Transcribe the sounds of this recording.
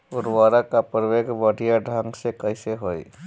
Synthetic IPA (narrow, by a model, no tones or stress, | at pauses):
ʊɾʋaːɾakapɾʋeːɡʋəɽʱijaɖʱãŋɡsekəɪseɦoːḭ